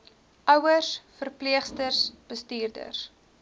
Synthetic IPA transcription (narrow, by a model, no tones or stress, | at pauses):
ʔœwərsfərpliəχstərsb̥əstiːrdə̰rs